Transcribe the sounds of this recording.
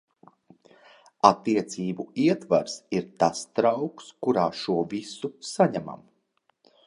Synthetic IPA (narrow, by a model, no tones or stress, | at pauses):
at̪ːiɛt̪siːbuiɛt̪vaɾsiɾt̪ast̪ɾawkskuɾaːʃuɔvisusaɲama̰m